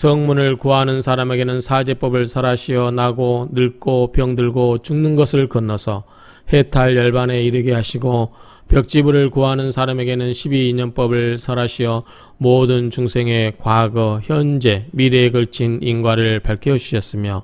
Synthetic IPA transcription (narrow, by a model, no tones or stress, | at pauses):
sʰʌŋmunɯɭkuɦanɯnsʰaɾame̞ɡe̞nɯnsʰad͡ʑe̞p͈ʌbɯɭsʰʌɾaɕʰiʌnaɡonɯɭk͈opjʌŋdɯɭɡot͡ɕuŋnɯnɡʌsʰɯɭkʌnːʌsʰʌ | he̞tʰaɭjʌɭbane̞iɾɯɡeɦaɕʰiɡo | pjʌk̚t͡ɕ͈ibuɾɯɭkuɦanɯnsʰaɾame̞ɡe̞nɯnɕʰibiːɲʌnp͈ʌbɯɭsʰʌɾaɕʰiʌ | modɯnt͡ɕuŋsʰe̞ŋe̞kwaɡʌçjʌnd͡ʑe̞miɾeɡɯɭt͡ɕʰininɡwaɾɯɭpaɭkʰjʌd͡ʑuɕʰʌs͈ɯmjʌ